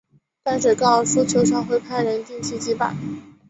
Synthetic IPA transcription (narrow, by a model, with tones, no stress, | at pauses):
ta˥nʈ͡ʂ̩˨˩kɑ˥˧ʊsu˥˩t͡ɕʰjo˧˥ʊʂɑ˥˩ŋxwe˥˧ɪpʰa˥˩ɪɻə˧˥nt̪i˥˧ŋt͡ɕʰi˥t͡ɕi˥pa̰˨˩˦